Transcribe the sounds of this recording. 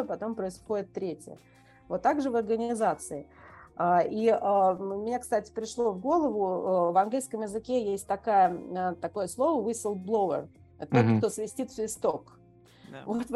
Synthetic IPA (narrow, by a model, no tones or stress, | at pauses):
əpɐt̪o̞mpɾəɪsxo̞dʲɪt̪ːɾʲetʲjə̰ | vo̞t̪ːaɡʐɨvɐrɡənʲɪzat̪sɨɪaiaʊmʲɪnʲakst̪atʲɪ̥pɾʲɪʂlˠo̞vɡo̞lˠəvʊəvɐnɡlʲijskəmjɪzɨkʲejesʲtʲt̪ɐkajəət̪ɐko̞jəslˠo̞vəvisʲəlˠblˠovə̰r | ɛt̪ət̪ot̪kt̪o̞svʲɪsʲtʲit̪svɪst̪ok | vot̪v